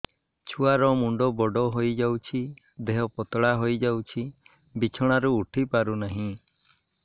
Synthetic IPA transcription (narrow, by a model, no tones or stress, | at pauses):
t͡ʃʰuaɾɔmuɳɖɔbɔɖɔɦojd͡ʒawt͡ʃʰi | d̪eɦɔpɔt̪ɔɽaɦojd͡ʒawt͡ʃʰi | bit͡ʃʰɔɽ̃aɾuːʈʰipaɾunaɦĩ